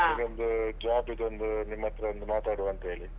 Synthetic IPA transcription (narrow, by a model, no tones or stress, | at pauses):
iɾond̪ud͡ʒaːbid̪ond̪unimːɐt̪ɾɐond̪umaːt̪aːɽuɐnt̪ɦeːɭi